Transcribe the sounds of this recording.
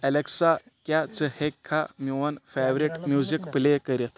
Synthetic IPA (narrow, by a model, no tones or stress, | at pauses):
ɛleksa | kjat͡səhekʰːamiʋɐnfeʋɾiʈmjuzikplekəɾit̪